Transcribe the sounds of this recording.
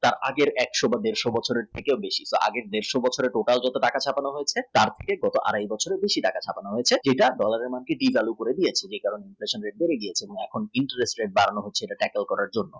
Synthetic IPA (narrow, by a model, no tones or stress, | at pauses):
t̪aɾʔa̰ɡeɾɛkʃobad̪eɾʃobɔt͡ɕʰoɾeɾt̪ʰekeobeʃisoʔa̰ɡeɾd̪eɾʃobɔt͡ɕʰoɾeɾʈoʈald͡ʑɔt̪oʈakat͡ɕʰapanoɦojet͡ɕʰet̪aɾt̪ʰekeɡɔt̪oʔa̰ɾajbɔt͡ɕʰoɾebeʃiʈakat͡ɕʰapanoɦojet͡ɕʰed͡ʑeʈaɖɔlaɾeɾmankeɖivʱalukoɾed̪iet͡ɕʰed͡ʑekaɾoneinfleʃonɾeʈ̚beɾeɡiet͡ɕʰeeboŋɛkʰoniɳʈaɾesʈɾeʈ̚baɾanoɦot͡ɕʰeeʈaʈɛkelkɔɾaɾd͡ʑonːo